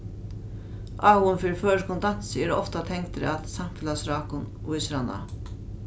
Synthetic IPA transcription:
ʔɑːhunfɪːɾɪɾføːɾəʂkʰɔnt̪an̥sɛːɾɔ̰ft̪at̪ʰɛŋkt̪ɾat̪samfɪlasɾaːkʊn | vʊjsɾana̰

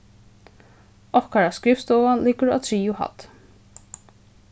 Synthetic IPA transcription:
ɔhkaɹaskɾɪfst̪ɔːlanliːkəɾa̰t̪ʰɾiːjʊha̰t̪

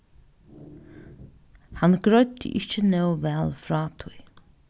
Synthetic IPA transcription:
hanɡɾœd̪ɪ̰ʔɪht͡ʃənœwʋɛːlfɾɑːt̪ʰuj

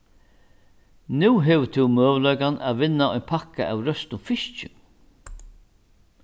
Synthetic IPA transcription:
nuːɦɛːʋt̪ʰɪwmøːʋlœɥkanʔa̰ʋɪnːaɔjnpʰaka̰ʔæwɾœst̪ʊfɪʃt͡ʃʏ

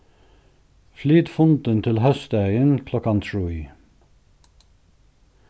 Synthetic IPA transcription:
flyːd̪fʊnd̪ənt̪ʰɪlhœst̪œɪənkʰlɔkɑnt̪ʰɹʉiː

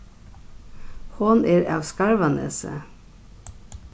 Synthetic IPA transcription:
hɔneːɾɑ̰ːʋskɑɹʋɑnʔə̰sə̰

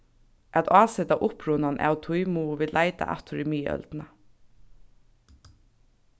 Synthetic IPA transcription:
ʔæt̪ɑːsɛt̪aʔʊpɹʊnanʔa̰wt̪ʰʊjmuːʋɪlːʔaɪt̪a̰ʔa̰t̪ʰʊɹimiːœ̰lt̪na

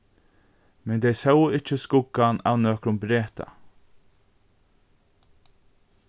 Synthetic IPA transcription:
mɛnt̪ɛjsɛwɪt͡ʃːəskʊkːana̰wnœːkɾʊmbɾeːt̪a̰

